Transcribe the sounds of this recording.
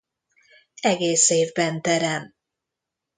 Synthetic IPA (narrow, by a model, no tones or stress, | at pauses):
ɛɡeːseːvbɛnt̪ɛɾɛm